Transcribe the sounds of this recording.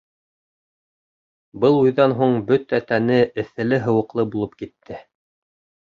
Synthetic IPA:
bɤlˠujðɑnɦuɴbɵt̪æt̪ænɘɘ̆θɘ̆lɘɦɤ̆wɤ̆qlˠɤbulˠɤp̚kit̪ʰːɘ

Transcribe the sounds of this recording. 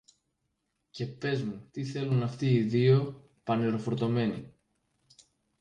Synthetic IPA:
ce̞pe̞zmut̪iθe̞lunɐft̪iːðio̞ | pɐniɾo̞fo̞ɾt̪o̞me̞nḭ

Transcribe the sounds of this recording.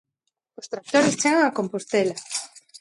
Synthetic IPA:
ʊst̪ɾak̚t̪oɾɪst͡ʃeɣaŋakompost̪ɛla

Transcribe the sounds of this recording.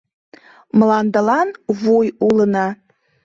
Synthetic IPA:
mlɑnd̪əlɑnβujulənɑ

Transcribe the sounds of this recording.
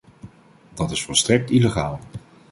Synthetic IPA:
dɑtɪsfɔlˠstrɛk̚tileχaːlˠ

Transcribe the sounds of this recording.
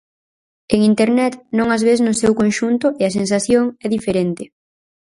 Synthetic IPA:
eŋint̪eɾnɛt̪nõŋazβeznʊsɛwkõnʃunt̪ʊʔeɐs̬ensaθjoŋɛðifeɾent̪ɪ

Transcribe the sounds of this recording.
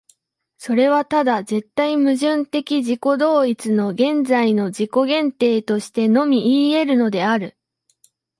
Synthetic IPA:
so̞ɾe̞β̞at̪ad̪aze̞t̪ːaimɯ̟ʑɨ̃nt̪e̞kʲiʑiko̞d̪o̞ːit͡sɨno̞ɡẽ̞nd͡zaino̞d͡ʑiko̞ɡẽ̞nt̪e̞ːt̪o̞ɕi̥t̪e̞no̞mʲiiːe̞ɾɯ̟no̞d̪e̞aɾɯ̟

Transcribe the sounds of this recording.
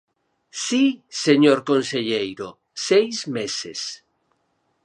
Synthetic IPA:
siseɲoɾkonseʎejɾo | sejzmeses

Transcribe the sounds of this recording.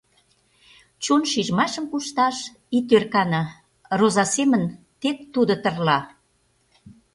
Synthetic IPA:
t͡ɕunʃiʒmɑʃəmkuʃt̪ɑʃ | it̪ørkɑnɑ | rozɑsemən | t̪ek̚t̪ud̪ot̪ərlɑ

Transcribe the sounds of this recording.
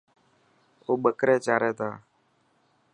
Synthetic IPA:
oɡ͡bəkɾɛt͡ʃaɾɛt̪aː

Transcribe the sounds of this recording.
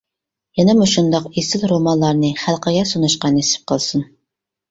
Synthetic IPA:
jɛnɛmuʃund̪ɑqesɪlˠɾomɑnlˠɑɾnɨχælˠqəɡʲɛsonɑʃqɑnesɪ̥p̚qʰəlˠsɨn

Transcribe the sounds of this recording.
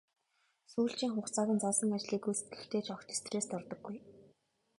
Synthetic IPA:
suːɬt͡ɕiːŋχʊχt͡saːɣʲə̆nt͡sasə̆ŋat͡ɕɮiːkujse̥t̪̚ɡɘ̆xt̪ʰeːt͡ɕʰɔkt̪ʰe̥st̪ʰreːst̪ɔrt̪ɞ̆ɡːuj

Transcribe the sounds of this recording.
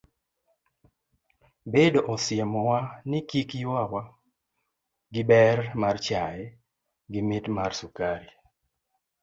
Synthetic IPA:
bedoʔɔsjɛmɔwanɪkikjwawa | ɡɪbɛrmart͡ʃajɛ | ɡɪmɪtmarsukaɾi

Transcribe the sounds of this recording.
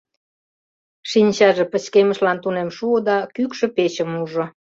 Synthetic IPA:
ʃinʲt͡ɕɑʒĕpə̆t͡ɕkemə̆ʃlɑnt̪unemʃuod̪ɑkykʃə̆peɕəmuʒŏ

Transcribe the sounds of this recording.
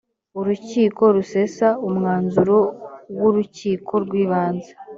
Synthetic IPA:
uɾuciːko̞ɾuse̞saumŋaːnzuɾo̞wuɾuciːkʰo̞ɾɡwiːβaːnze̥

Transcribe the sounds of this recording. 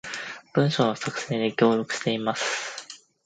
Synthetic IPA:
b̥ɯ̟̃ɰ̃ɕo̞nosakɯ̟̥se̞ːd̪ikʲo̞ːɾʲo̞kɯ̟ɕi̥t̪e̞imasɨ̥

